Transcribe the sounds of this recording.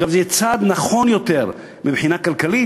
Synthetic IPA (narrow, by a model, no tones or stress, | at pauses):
ɡavzejɛt͡sad̪naχo̞njo̞t̪eʁ | mibħinakalkali